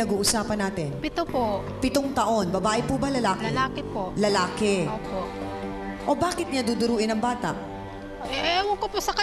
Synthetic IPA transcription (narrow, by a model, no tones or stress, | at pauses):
ɐɡuːʔʊsaːpɐnːaːt̪ɪnpɪt̪opo | pɪt̪oŋt̪ɐʔo̞nbɐbaːʔɪpubɐlɐlaːkɛlaːkɛpoʔlɐlaːkɛʔoːpoʔ | ʔo̞baːkɪt̪̚ɲad̪ud̪ʊɾuːʔɪnɐŋbaːt̪ɐ̰ʔ | ʔʔwɐɡ̚koposɐkɐ